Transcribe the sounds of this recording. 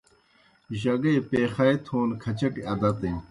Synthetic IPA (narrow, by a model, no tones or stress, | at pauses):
ʑɐɡeːpeːxɐet̪ʰoːnkʰɐt͡ɕɐʈiɐd̪ɐt̪ẽ